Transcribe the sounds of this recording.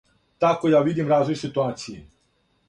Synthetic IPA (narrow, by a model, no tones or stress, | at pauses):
t̪akojaʋid̪imɾaːzʋojsit̪uaːt̪siji